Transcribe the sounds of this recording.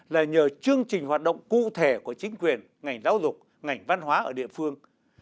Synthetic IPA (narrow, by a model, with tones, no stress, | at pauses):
laː˨˩ɲəː˨˩t͡ɕɨ˧əŋt͡ɕï˨˩ŋ̟ɦwaː˨˩t̚ɗə̰˧˨wŋ͡mkṵ˧˨t̪ʰe˧˩ku˧˩ət͡ɕï˨˦ŋ̟kwi˨˩ən | ŋa˨˩jŋ̟zaː˨˦wzʊ˨˩k͡p̚ | ŋa˨˩jŋ̟va˧nɦwaː˨˦ʔəː˧˩ɗḭ˧˨əfɨ˧əŋ